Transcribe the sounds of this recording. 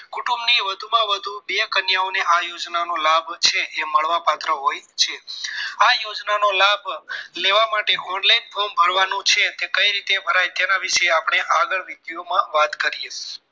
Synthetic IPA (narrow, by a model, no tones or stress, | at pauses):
kuʈumbniʋəd̪ʱumãʋəd̪ʱubekənjaoneʔajod͡ʒnanolabʱt͡ʃʰeʔeməɭʋapat̪ɾəɦojt͡ʃʰeajod͡ʒnanolabʱleʋamaʈeʔɔɳlainpʰombʱəɾʋanũt͡ʃʰet̪ekəjɾit̪ebʱəɾajt̪enaʋiʃeapɳ̃eʔaɡəɭʋit̪iomãʋat̪kəɾije